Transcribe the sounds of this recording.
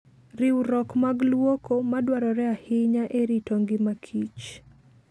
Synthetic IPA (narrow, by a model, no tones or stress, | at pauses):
ɾiwɾɔkmaɡlwokɔmadwaɾɔɾɛahɪɲaʔeɾitoŋɡɪmakʰit͡ʃ